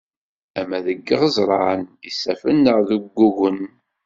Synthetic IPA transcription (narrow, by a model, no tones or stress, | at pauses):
æmæðəɡːəʁəzˤɾˤɑʕənisæfənːəʁðuɡːuɣən